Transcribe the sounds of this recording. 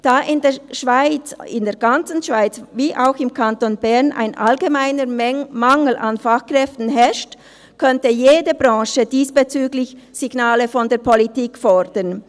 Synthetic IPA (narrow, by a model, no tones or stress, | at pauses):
d̥aːʔɪndeːɐʃv̥aɪt͡sɪndeːɐɡant͡sn̩ʃv̥aɪt͡sviːʔaʊxɪmkʰantonbɛɐnʔa̰ɪnʔa̰lɡemaɪnəmaŋl̩ʔa̰nfaχkr̥ɛftn̩ɦɛʃt | kʰœntəjeːdəbʁɑ̃ːʃədiːsb̥et͡syːɡlɪçz̥iɡnaːləfɔndeːɐpʰɔlitiːkfɔd̥ən